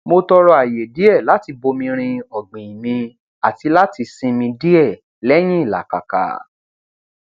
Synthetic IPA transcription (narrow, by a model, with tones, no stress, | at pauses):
mo˧tɔ˧ɾɔ˧a˨je˨di˨˦ɛ˦˨la˨˦ti˧bo˧mĩ˧ɾ̃ĩ˧ɔ˨ɡ͡bĩ˨i˨mĩ˧ | a˨ti˧la˦ti˧sĩ˧mĩ˧di˦ɛ˦˨ | lɛ˦j̃ĩ˦i˦˨la̰˨ka̰˨ka̰˨